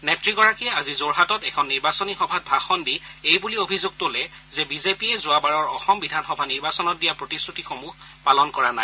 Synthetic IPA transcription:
nɛp̚tɹiɡɔɹakiɛazizoɹɦatɔtɛkʰɔnːiɹbasɔnixɔbʱat̚bʱaxɔnbiejbuliobʱizoɡ̚tolɛ | zɛbizepiɛzʊabaɹɔɹɔxɔmbidʱanxɔbʱaniɹbasɔnɔt̚dijapɹotisɹutixomuɦ | palɔnkɔɹanaj

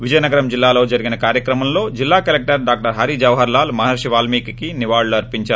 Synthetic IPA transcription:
ʋid͡ʒɐjɐnɐɡɐɾɐmd͡ʒilːaːlo̞ːd͡ʒɐɾiɡinɐkaːɾjɐkɾɐmɐmlo̞ːd͡ʒilːaːkɐlek̚ʈɐɾɖaːk̚ʈɐɾɦɐɾid͡ʒɐʋɦɐɾlaːlmɐɦɐɾʃiʋaːlmiːkkiniʋaːɭluɐɾpiɲt͡ʃaːɾu

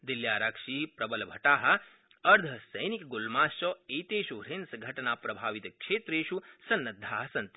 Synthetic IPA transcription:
d̪iljaːɾakʂipɾɐbɐlbʱɐʈaːɦɐ̆ | ɐɾd̪ʱɐsɐjnikɡulmaːst͡ʃɔeːt̪eːʃuɾensɡʱɐʈnaːpɾɐbʱaːʋit̪kʃeːt̪ɾeːʃusɐnːɐd̪ʱːaːɦɐsɐnt̪

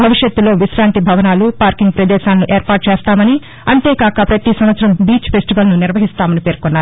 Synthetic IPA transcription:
bʱɐʋiʂjɐt̪ːulo̞ːʋiʃɾaːnt̪ibʱɐʋɐnaːlupaːɾkiŋɡ̚pɾɐd̪ɛːʃaːnːuʔe̞ːɾpaːʈ̚t͡ʃeːst̪aːmɐni | ɐɳʈe̞ːkaːkɐpɾɐt̪isɐmʋɐt̪sɾɐmbiːt͡ʃfe̞sʈiʋɐlnuniɾʋɐɦist̪aːmɐnipeːɾkonːaːɾu

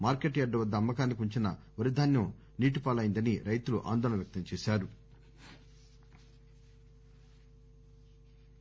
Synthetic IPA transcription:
maːɾkeʈjɐɖːɐʋɐd̪ːɐːmːɐkaːnːikuɲt͡ʃinɐ | ʋɐɾid̪ʱaːnjɐm | niːʈipaːlaːjind̪ɐniɾɐjt̪uluʔa̰ːnd̪ɔːlɐnɐmjɐk̚t̪ɐmt͡ʃɛːʃaːɾu

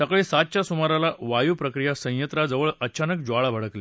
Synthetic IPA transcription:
səkɭesat̪̚t͡ɕasumaɾalaʋajupɾəkɾijasə̃jət̪ɾad͡zəʋəɭət͡ɕanək̚d͡ʑaɭabʱəɽəkle

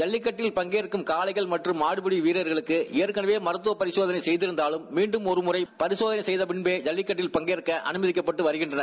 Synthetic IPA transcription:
d͡ʒɐlːɪkːɐʈːɪlpɐŋɡeːɾɯkːɯmkaːlɐɪɣɐɭmɐʈrɯmːaːɽɯpɯɽiʋiːɾɐɾɣɐɭɯkːɯɛːɾkɐnɐʋeːmɐɾɯt̪ːɯʋɐpɐɾɪsoːðɐnɐɪsɛjðɪɾɯnd̪aːlɯmːiːɳɖɯmɔɾɯmʊrɐɪpɐɾɪsoːðɐnɐɪsɛjðɐpɪɳbeːd͡ʒɐlːɪkːɐʈːɪlpɐŋɡeːɾɯkːɐʔɐ̰nɯmɐðɪkːɐpːɐʈːɯʋɐɾɯɣɪɳdrɐnɐɾ

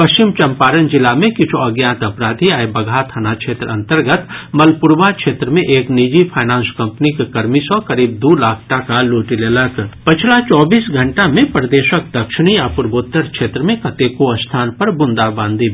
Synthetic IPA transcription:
pɐʃt͡ʃɪmt͡ʃɐ̃mpaːɾənd͡ʒɪlamẽkɪt͡ʃʰoɐɡjãːnt̪ɐpɾaːd̪ʱiaebɐɡʱaːt̪ʰənakʃʰeːt̪ɾəɐ̃nt̪əɾɡət̪mɐlpʊɾʋakʃeːt̪ɾəmẽʔeːknid͡ʒipʰaːnãːnskɐ̃mpnikekɐɾmisɔkɐɾiːb̚d̪uːlaːkʰʈakaloːʈilelək̪pɪt͡ʃʰlat͡ʃɔːbiːsɡʱɐ̃ɳʈamẽpɾd̪eːʃək̚d̪ɐkʃɪɽ̃iapʊɾboːt̪ːəɾkʃeːt̪ɾəmẽkɐt̪eːkoɐst̪ʰaːnpɐɾbʊ̃nd̪abãːnd̪ʱi

